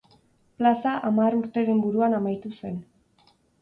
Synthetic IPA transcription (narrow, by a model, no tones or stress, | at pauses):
plasaʔamaɾuɾt̪e̞ɾe̞mbuɾuanamajt̪use̞n